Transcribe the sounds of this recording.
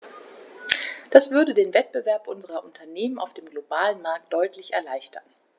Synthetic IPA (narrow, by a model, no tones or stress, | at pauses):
d̥asv̥ʏɐdədeːnvɛt̚b̥əvɛɐpʔʊnzəʁɐʔʊntʰɐneːmənaʊfd̥eːmɡlobaːlənmaɐk̚t̚d̥ɔʏtlɪçɛɐlaɪçtʰɐn